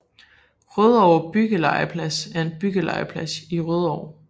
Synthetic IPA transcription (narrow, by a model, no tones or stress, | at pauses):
ʁøð̞ˠɒʊ̰ɐb̥yɡ̥əlɑ̈ɪəpʰlæsæɐe̝nb̥yɡ̥əlɑ̈ɪəpʰlæsiʁøð̞ˠɒʊ